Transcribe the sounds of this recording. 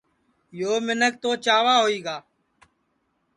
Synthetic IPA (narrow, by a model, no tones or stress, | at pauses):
joːmɪnək̚t̪oːt͡ʃaːʋaːɦoːiːɡaː